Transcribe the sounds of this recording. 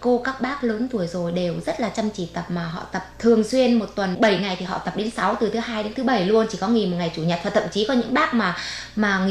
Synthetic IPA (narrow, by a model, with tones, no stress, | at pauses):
ko˧kaː˦˥k̚ɓaː˦˥k̚ləː˨˦nt̪u˧˩əjzo˨˩jɗe˨˩wzə˦˥t̚laː˨˩t͡ɕə˧mt͡ɕi˧˩t̪ə˨˩p̚maː˨˩ɦɔ̰˧˨t̪ə˨˩p̚t̪ʰɨ˨˩əŋswi˧ənmo˨˩t̚t̪wə˨˩nɓə˧˩jŋa˨˩jt̪ʰi˨˩ɦɔ̰˧˨t̪ə˨˩p̚ɗe˨˦nsa˨˦wt̪ɨ˨˩t̪ʰɨ˨˦ɦaː˧jɗe˨˦nt̪ʰɨ˨˦ɓə˧˩jlu˧ənt͡ɕi˧˩kɔ˨˦ŋi˨˩mo˨˩t̚ŋa˨˩jt͡ɕu˧˩ɲə˨˩t̚faː˨˩t̪ʰə̰˧˨mt͡ɕi˨˦kɔ˨˦ɲɨ̰˧˥ŋɓaː˦˥k̚maː˨˩ | maː˨˩ŋi˧˨